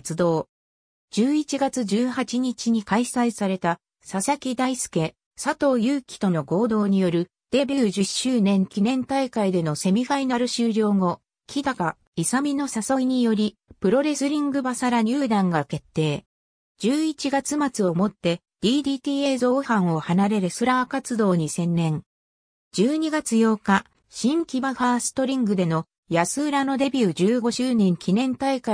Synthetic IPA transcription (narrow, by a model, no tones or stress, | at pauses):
t͡sɨd̪o̞ː | d͡ʑɨːit͡ɕiɡat͡sɨʑɨːhat͡ɕiɲ̟it͡ɕiɲ̟ikaisaisaɾe̞t̪a | sasakʲid̪aisɨ̥ke̞ | sat̪o̞ːjɯ̟ːkʲi̥t̪o̞no̞ɡo̞ːd̪o̞ːɲ̟ijo̞ɾɯ̟ | d̪̥e̞bʲiʑɨɕɨːnẽ̞ŋkʲinẽ̞nt̪aikaid̪e̞no̞se̞mʲiɸainaɾɯ̟ɕɨːɾʲo̞ːŋo̞ | kʲʰid̪aka | isamʲino̞saso̞iɲ̟ijo̞ɾʲipɯ̟ɾo̞ɾe̞sɨɾʲĩŋɡɯ̟basaɾaɲ̟ʲɨːd̪ãŋɡake̞t̪ːe̞ː | d͡ʑɨːit͡ɕiɡat͡sɨmat͡sɨo̞mo̞t̪ːe̞ | d̪̥ʲiːd̪ʲiːt̪iːeːzo̞ːhãɰ̃o̞hanaɾe̞ɾɯsɨɾakat͡sɨd̪o̞ːɲ̟isẽ̞nːẽ̞ŋ | d͡ʑɨːɲ̟iɡat͡sɨjo̞ːka | ɕĩŋkʲibahaːsɨ̥t̪o̞ɾʲĩŋɡɯ̟d̪e̞no̞ | jasɨːɾano̞d̪e̞bʲɯːd͡ʑɨːɡo̞ʑɨːnẽ̞ŋkʲʰinẽ̞nt̪aika